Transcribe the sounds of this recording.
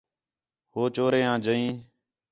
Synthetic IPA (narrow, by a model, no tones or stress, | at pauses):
hoːt͡ʃoːɾeːãːd͡ʒəĩː